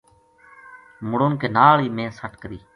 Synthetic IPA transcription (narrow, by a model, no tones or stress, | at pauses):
mʊɽoːnkeːnaːɭiːmẽːsəʈkəɾiː